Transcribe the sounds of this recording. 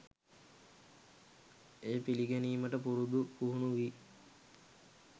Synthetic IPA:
eːpiliɡæniːməʈəpuɾud̪upuɦunuʋi

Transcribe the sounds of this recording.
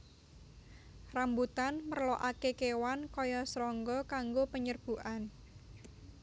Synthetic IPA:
rambut̪anmərloʔakekewankɔjɔsɾɔŋɡɔkaŋɡopəɲərb̥ṳʔan

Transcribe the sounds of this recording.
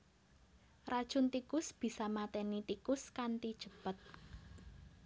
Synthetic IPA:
rad̥ʒ̥ʊnt̪ikʊsb̥i̤samat̪ɛnit̪ikʊskant̪id̥ʒ̥ə̤pət̪̚

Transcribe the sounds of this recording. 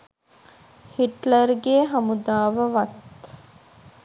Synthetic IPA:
hiʈləɾɡeːɦɐmud̪aːʋəʋɐt̪

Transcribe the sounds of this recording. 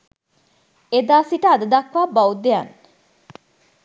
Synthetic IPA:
ed̪aːsiʈəːd̪ɐd̪ɐkʋaːbɐwd̪ejan

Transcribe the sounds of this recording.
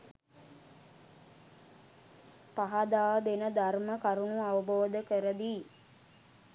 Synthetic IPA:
paɦad̪aːd̪enəd̪arməkaɾunuaʋəboːd̪əkəɾəd̪iː

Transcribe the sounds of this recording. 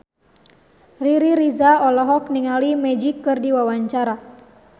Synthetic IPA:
riɾiɾizaɔlɔɦɔk̚niŋalimɛd͡ʒikːɨrdiwawaɲt͡ʃaɾa

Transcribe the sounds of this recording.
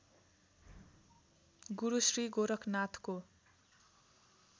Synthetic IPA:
ɡuɾusriɡoɾʌkʰnat̪ʰko

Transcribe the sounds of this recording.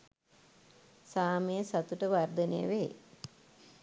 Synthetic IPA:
saːmejəsat̪uʈəʋard̪ənejə̰ʋeː

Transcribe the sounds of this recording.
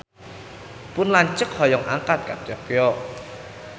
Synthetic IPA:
pʊnlaɲt͡ʃək̚hɔjɔŋʔa̰ŋkat̪̚ka̰k̚d͡ʒɔkjɔ

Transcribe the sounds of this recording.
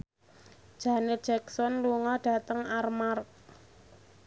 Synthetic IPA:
d̥ʒ̥anɪt̪̚ʒ̥ɛksɔnluŋɔɖ̥a̤t̪əŋarmark̚

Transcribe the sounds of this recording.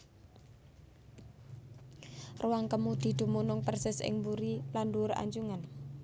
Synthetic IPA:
ruwaŋkəmud̪̥i̤d̪̥ṳmunʊŋpərsɪsɪ̰ŋmbuɾilanduɾa̰ɲd͡ʒuŋan

